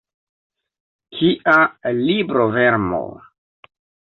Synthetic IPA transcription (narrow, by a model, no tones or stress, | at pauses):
kʰiʔalibɾoveɾmo̰